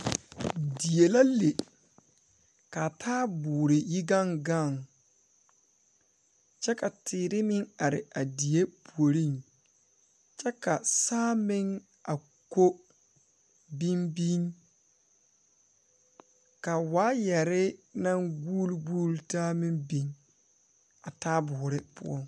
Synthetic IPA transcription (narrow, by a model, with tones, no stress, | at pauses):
di˨je˨la˦le˨ | ka˨tʰaː˦bʊː˨ɾɪ˨ji˦ɡa˦ŋɡa˦˨ŋ | t͡ʃɛ˦ka˨tʰɪː˨ɾɪ˦mɪ˦ŋa˨ɾɪ̰˨a˨di˨je˦pu˨o˨ɾi˦˨ŋ | t͡ʃɛ˦ka˨saː˦mɪ˦ŋ | a˨ | ko˦ | bi˦nbi˦ŋ | ka˨waː˨˦jɛ˨ɾɪ˦na˦ŋɡu˦lɡuː˦ltaː˦mɪ˦nbi˦ŋ | a˨taː˦bʊː˨ɾɪ˦pʊ̰˦ɔ˦ŋ